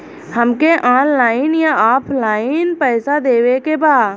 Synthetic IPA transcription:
həmkeʔaːnlaːɪnjaaːpʰlaːɪnpɛːsad̪eːwekebaːd̪

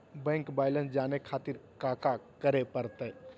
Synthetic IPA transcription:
bɛ̃ːŋkbaːɪlə̃nsd͡ʒaːnekʰaːt̪ɪɾkaːkakəɾepəɾt̪e

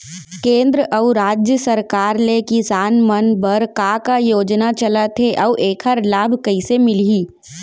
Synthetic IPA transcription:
kẽːnd̪ɾəʔəuɾaːd͡ʒjəsəɾkaːɾlekɪsaːnmənbəɾkaːkajoːd͡ʒnat͡ʃəlat̪ʰeʔɐʔeːkʰəɾlaːbʱkɐisemɪliː

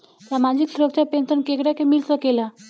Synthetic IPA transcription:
samad͡ʑiksɾəɡt͡ɕapent̪ənkekɽjakemilt̪əkela

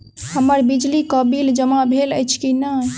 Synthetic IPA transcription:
həməɾbid͡ʒlikəbild͡ʒəmabʱeləjt͡ʃʰkinə

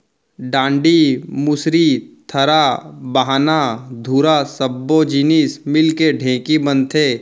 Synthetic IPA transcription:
ɖãːɳɖimʊsɾit̪ʰɐɾabaɦaːnad̪ʱuːɾasɐbːod͡ʒinismɪlkeɖʱẽːkibənt̪ʰeː

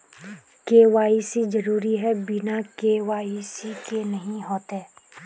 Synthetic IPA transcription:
keːʋaːised͡ʒɐɾuːɾiɦɛbɪnakeːʋaːisikenɐɦĩɦoːt̪eː

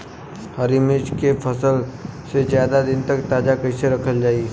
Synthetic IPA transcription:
həɾimɪt͡ʃkepʰɐsəlsezjaːd̪ad̪ɪnt̪ɐkt̪aːd͡ʒakɐiseɾɐkʰəld͡ʒaːie

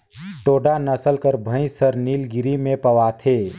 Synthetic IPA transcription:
ʈoːɖanɐsəlkəɾbʱə̃ĩsəɾniːlɡɪɾimẽpɐʋaːt̪ʰeː

